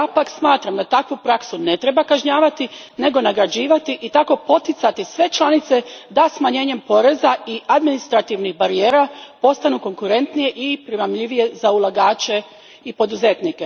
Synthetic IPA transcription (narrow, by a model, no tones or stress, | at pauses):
japaksmaːt̪ɾamd̪at̪akʋupɾaksune̞t̪ɾe̞bakaʒɲaːʋat̪i | ne̞ɡo̞naɡɾad͡ʑiːʋat̪iʔit̪ako̞po̞t̪it̪sat̪isʋe̞t͡ʃlˠanit̪se̞d̪asmaɲe̞ːɲe̞mpo̞ɾe̞zaiad̪minist̪ɾat̪iʋnixbaɾie̞ːɾapo̞st̪anuko̞ŋkuɾe̞nt̪nije̞ʔipɾimamʎiʋije̞zaulˠaɡaːt͡ɕe̞ | ipo̞d̪uze̞t̪nike